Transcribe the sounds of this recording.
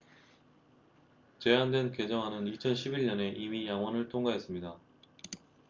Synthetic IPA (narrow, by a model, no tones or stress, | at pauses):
t͡ɕe̞andwenke̞d͡ʑʌŋɦanɯnit͡ɕʰʌnɕʰibiɭɲʌne̞ʔimijaŋɦwʌnɯɭtʰoŋɡaɦe̞s͈ɯmɲida